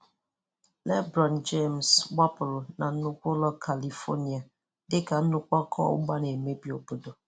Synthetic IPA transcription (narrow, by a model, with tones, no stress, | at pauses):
lɛ˦bɾɔ˨n˨d͡ʒe˦˨msɡ͡ba˦pʊ˨lna˨n̩˦nʊ˦kʷʊ˦lɔ˦kʰa˨li˨fo̰˦ni˨a˨ | dɪ˦ka˨n̩˦nʊ˦kʷɔ˦kʰɔ̰˦ʊ̰˦ɡ͡ba˦ne˨me˦bi˨o˨bu˦do˨